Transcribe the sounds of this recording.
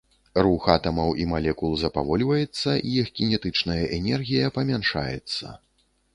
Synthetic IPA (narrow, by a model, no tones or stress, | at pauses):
ruxat̪ɐmɐwʔimalʲɛkulˠzɐpavɔlʲvɐjɛt̪sːɐʔijɛxkʲinʲɛt̪ɨt͡ʂnɐjɐʔɛnʲɛrɣʲijɐpɐmʲanʂa̰jɛ̰t̪sːɐ̰